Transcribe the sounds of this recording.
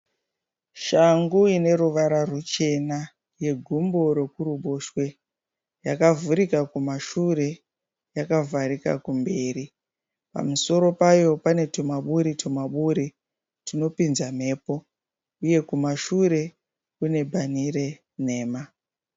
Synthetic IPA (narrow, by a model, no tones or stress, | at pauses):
ʃaŋɡuine̞ɾuʋaɾarut͡ʃe̞na | je̞ɡʱumbo̞ɾe̞kuruɓo̞ʃwe̞ | jakavuɾikakumaʃure̞ | jakavʱaɾika̰kumbe̞ːri | pa̰muso̞ɾo̞pajo̞pane̞tomaɓuɾitomaɓuɾi | tino̞pinzam̤e̞ːpo̞ | uje̞kumaʃuɾe̞ | kune̞bʱanire̞ | ne̞ːma